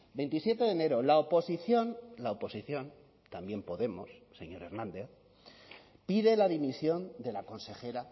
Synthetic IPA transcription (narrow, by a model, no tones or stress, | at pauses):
bent̪isje̞t̪e̞ðene̞ɾo̞laopo̞siθjo̞nlaopo̞siθjo̞n | t̪ambje̞mpo̞ðe̞mo̞̰sːe̞̰ɲo̞ɾe̞ɾnãnd̪e̞θ | piðe̞laðimisjo̞nd̪e̞lako̞nse̞xe̞ɾa